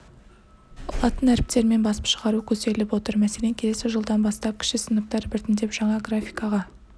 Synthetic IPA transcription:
ɑt̪ənæɾɪp̚t̪e̞ɾme̞nbɑsə̥pʃəʁɑɾukʲʰɵse̞lɪpwo̞t̪əɾmæse̞leŋkʲʰe̞le̞sɪʒəlˠd̪ɑnbɑst̪ɑp̚kʲʰɪ̥ʃkɪsənəq̚t̪ɑɾbɪɾt̪ɪnd̪e̞pʒ̥ɑɴɑɡrafʲijkɑʁɑ

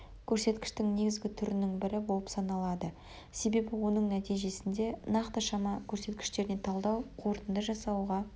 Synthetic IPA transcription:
kʲʰɵɾse̞t̪kʲɪ̥ʃt̪ɪŋne̞ɡʲɪzɡʲɪt̪ʰʏɾɪnɪŋbɪɾɪbo̞lˠəpsɑnɑlˠɑd̪ə | se̞be̞bɪwo̞nəɴnæt̪ijʒe̞sɪnd̪e̞nɑqt̪əʃɑmɑkʲʰɵɾse̞t̪kʲɪ̥ʃt̪e̞ɾɪne̞t̪ʰɑlˠd̪ɑwqʰo̞ɾt̪ənd̪əʒɑsɑwʁɑ

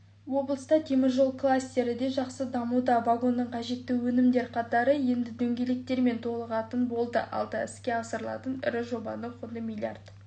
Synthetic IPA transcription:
wo̞blˠəst̪ɑt̪ʰe̞mɪɾʒo̞lˠklˠasʲt̪e̞ɾɪd̪e̞ʒɑqsəd̪ɑmud̪ɑvaɡo̞nːəɴqʰɑʒe̞t̪ːɪwɵnɪmd̪e̞ɾqʰɑt̪ɑɾəje̞nd̪ɪd̪ɵŋɡʲe̞le̞k̚t̪e̞ɾme̞nt̪ʰo̞lˠəʁɑt̪ənbo̞lˠd̪ə̰ʔɑ̰lˠd̪ɑɪskʲe̞ɑsəɾəlˠɑ̰t̪ənɪ̰ɾɪʒo̞bɑ̰nəqʰʊd̪əmʲilʲia̰rd̪

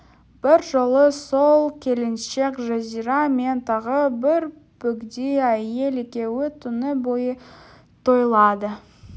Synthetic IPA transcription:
b̥ɪɾʒolˠəsolˠkʲʰe̞lɪnʃe̞kʒazijɾɑme̞nt̪ʰɑʁəbɪɾ | pɵkd̪ejæje̞lekʲe̞wɪt̪ʰʊnəbojə | t̪ʰo̞jlˠɑd̪ə

